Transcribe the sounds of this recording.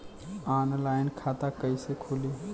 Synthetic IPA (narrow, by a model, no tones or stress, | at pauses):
anlaɪnkʰat̪akəjsekʰoli